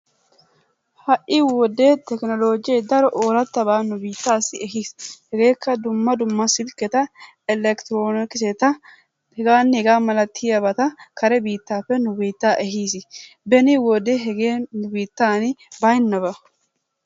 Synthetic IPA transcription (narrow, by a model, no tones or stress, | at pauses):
hɐʔʔɪwɔd̪eːt̪ɛknɔlo̞ːd͡ʒɪjɛjd̪ɐɾɔʔoːɾɐt̪ːɐbaːnʊbiːt̪ːaːsːɪɛɦiːshɛɡe̞ːkʰːɐd̪ʊmːɐd̪ʊmːɐsɪlkːɛt̪ɐ | ɪlɛkt̪ɾoːnɪkɪsɛt̪ɐ | hɛɡaːnːɪhɛɡaːmɐlɐt̪ʰiːɐbɐt̪ɐkʰɐɾɛbiːt̪ːaːpːɛnʊbiːt̪ːaːʔɛɦiːsɪ | bɛniwɔd̪eɦɛɡeːnʊbiːt̪ːaːnɪbɐjnːɐbɐ